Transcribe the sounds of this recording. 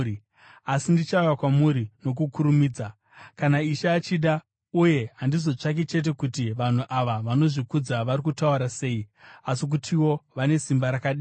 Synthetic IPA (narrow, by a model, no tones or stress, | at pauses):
asindit͡ʃaujakwamuɾino̞k̬ukuɾumiːd͡za | kanaiʃaːt͡ʃiɗa | uje̞ɦandizo̞t͡ʂak̬et͡ʃe̞t̬e̞kutiʋan̤uʔaʋaʋano̞ʐikud͡zaʋaɾikutauɾase̞ːiasik̬utʰiwo̞ʋane̞simbaɾakaɗiː